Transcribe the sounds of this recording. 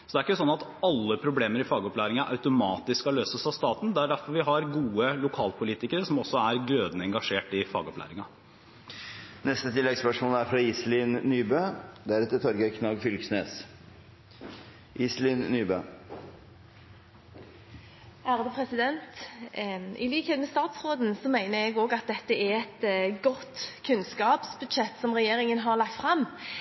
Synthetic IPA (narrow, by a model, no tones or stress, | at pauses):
sɔd̪ɛæɾɪkːəsɔnːɑt̪ɑlːəpʰɾʊbleːməɾɪfɑːɡɔplæːɾɪŋɑʔɑ̰ʉt̪ʊmɑːt̪ɪskɑløːsəsɑʋst̪ɑːt̪n̩d̪ɛæɖæɾfɔɾʋɪɦɑɾɡuːəlʊkʰɑːlpʰʊliːt̪ɪkəɾəsɔmɔsːɔæɾɡɾøːd̪nəɛŋɡɑʂeːʈɪfɑ̰ːɡɔplæ̰ːɾɪŋɑ | nɛst̪ət̪ʰɪlːɛɡspœʂmoːləæɾfɾɑiːslɪnnyːbøːd̪ɛæɾɛt̪ːət̪ʰɔɾɡəkʰnɑɡfʏlksneːs | ʔiːslɪnnyːbøː | æːʁəd̪əpʰʁɛsɪd̪ɛnt̪ | ʔɪ̰liːkheːt̪mɛst̪ɑːt̪sʁoːd̪n̩sɔmæɪnəɾɛɡoːɡɑt̪̚d̪ɛt̪ːəɛɛt̪ɡɔt̪kʰʉnskɑːpsbʉd̪ʃɛt̪ːsɔmʁɛjeːɾɪŋənɦɑlɑk̚t̪fʁɑmː